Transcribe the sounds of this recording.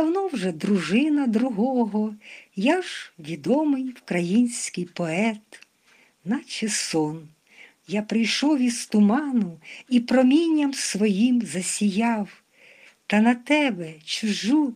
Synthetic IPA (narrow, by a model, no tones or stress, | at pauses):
ɐwnɔwʒɛd̪ɾʊʒɪnɐd̪ɾʊɦɔɦɔjaʒʋʲid̪ɔmɪjwkɾɐjinʲsʲkɪjpɔɛt̪ | nɐt͡ʃesɔn | japɾɪjʃɔwʋʲist̪ʊmɑnʊipɾɔmʲinʲːɐmsʋɔjimzɐsʲijɑw | t̪ɐnɐt̪ɛbɛt͡ʃʊʒu